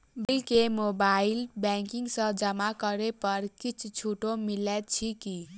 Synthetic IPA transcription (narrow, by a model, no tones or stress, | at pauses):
bilkemobailbɛŋkiŋɡsʌ̃d͡ʒʌmakʌɾepʌɾkit͡ʃʰt͡ʃʰuʈomilɛt̪t͡ʃʰiki